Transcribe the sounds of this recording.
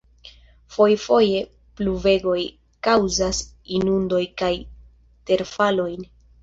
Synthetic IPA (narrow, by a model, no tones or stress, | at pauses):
fo̞jfo̞je̞ | pluve̞ɡo̞j | kawzas | inundo̞jkaj | te̞ɾfalo̞jn